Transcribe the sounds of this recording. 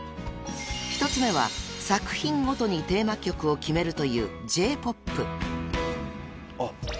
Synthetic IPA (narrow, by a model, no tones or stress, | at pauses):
çʲi̥t̪o̞t͡sɨme̞β̞a̰ | sakɯ̟̥çĩŋɡo̞t̪o̞ɲ̟it̪e̞ːmakʲo̞kɯ̟o̞kʲime̞ɾɯ̟t̪o̞jɯ̟̰ːd͡ʑe̞ːpo̞pːɯ̟